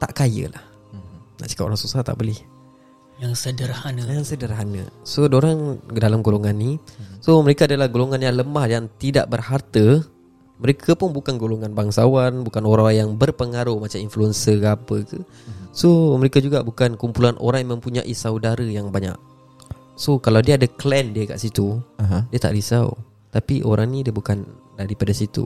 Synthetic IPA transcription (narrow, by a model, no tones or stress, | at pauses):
t̪aʔkajə̰la̰h | naʔsi̥kapo̰ɾaŋsusaht̪a̰ʔbəlɛh | jaŋsədərhanəjaŋsədərɦanə̰sodoɾaŋdalamɡoloŋanːisoməɾekaːdalahɡoloŋanjaŋləmahdaŋt̪ida̰ʔbərhart̪ə | məɾekʰapʊnbukanɡoloŋanbaŋsawanbukanoɾaŋjaŋbərpəŋaɾʊhmat͡ʃaminfluənsəkapəkə | soməɾekad͡ʒuɡa̰ʔbukankumpulanʔo̰ɾaŋjamə̃mpuɲa̰ʔisawdaɾəjaŋbaɲa̰k̚ | sokalawdiəadaklɛndiəka̰ʔsit̪udiət̪a̰ʔɾisa̰w | t̪apiʔo̰ɾaŋnidiəbukandaɾipadasit̪ṵ